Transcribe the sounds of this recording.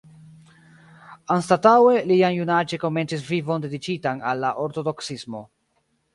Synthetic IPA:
anstatawe̞lianjunad͡ʒe̞ko̞me̞nt͡sis̬vivo̞nde̞dit͡ʃitanalːaʔoɾto̞do̞ksismo̞̰

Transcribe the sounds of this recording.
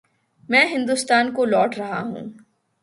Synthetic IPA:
mɛ̃ːɦɪ̃nd̪ust̪aːnkolɔːʈʰɾɐɦaɦṵ̃ː

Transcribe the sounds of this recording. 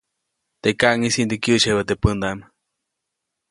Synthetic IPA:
t̪ekaʔŋisind̪ekjəʔt͡ʃhewət̪epənd̪am

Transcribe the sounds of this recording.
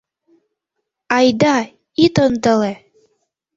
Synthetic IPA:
ɑjd̪ɑ | it̪ɤnd̪ɤle

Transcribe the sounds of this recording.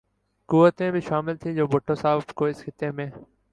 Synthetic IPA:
kuːʋət̪ẽːbʱiʃaːmɪlt̪ʰĩːd͡ʒoːbʱʊʈʰːõːsaːbkoːɪsxɪt̪ːẽːmẽː

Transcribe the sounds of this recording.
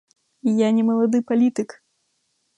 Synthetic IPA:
ijanʲɛmɐlˠad̪ɨpalʲit̪ɨk

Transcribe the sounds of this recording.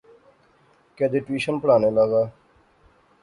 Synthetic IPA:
keːd̪eʈwiːʃənpəɽaːneːlaːɡaː

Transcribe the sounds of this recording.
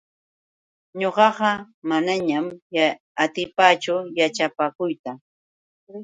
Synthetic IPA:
ɲoɢɑɢɑ | manaɲam | at̪ɪpat͡ʃʊjat͡ʃapakʊjt̪a

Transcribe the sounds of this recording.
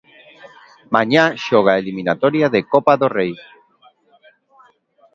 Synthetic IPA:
maɲaʃɔɣ̞aeliminat̪oɾjaðekopaðorej

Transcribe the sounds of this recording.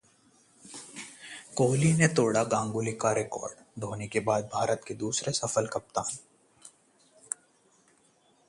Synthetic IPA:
koːlinet̪oːɽaɡãːŋɡʊlikaɾɪkɔ̰ːɾɖd̪ʱoːnekebaːd̪̚bʱaːɾət̪ked̪uːsɾesɐfəlkɐp̚t̪aɦɛ̃

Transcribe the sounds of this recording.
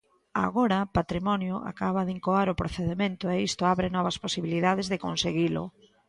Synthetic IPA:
a̰ɣoɾɐpat̪ɾimɔnjʊʔa̰kaβ̞ɐðiŋkoaɾʊpɾoθeðemẽnt̪ʊeist̪ʊaβɾɪnɔβɐsposiβiliðað̞ɪzðɪkonseɣilʊ̰

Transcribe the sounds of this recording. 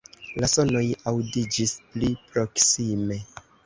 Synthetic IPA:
laso̞no̞jawdid͡ʒisplipɾo̞ksime̞

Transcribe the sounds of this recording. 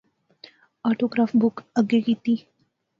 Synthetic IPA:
aːʈoɡɾaːfbukəɡeɡit̪iː

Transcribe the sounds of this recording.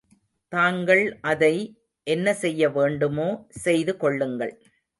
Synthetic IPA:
t̪aːŋɡɐɭʔɐðɐɪ | ʔɛnːɐsɛjːɐʋeːɳɖɯmoːsɛjðɯkɔɭːɯŋɡɐɭ

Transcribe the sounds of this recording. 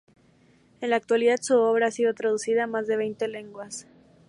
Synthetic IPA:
e̞nlaːk̚t̪waliðaðsuo̞βɾaasið̞o̞t̪ɾað̞usiðaːmazðe̞β̞e̞jnt̪e̞le̞ŋɡwas

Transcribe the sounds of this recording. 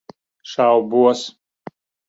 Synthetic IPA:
ʂawbuɔs

